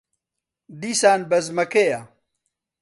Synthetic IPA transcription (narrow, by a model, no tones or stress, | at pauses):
d̪isaːnbɐzmɐkeja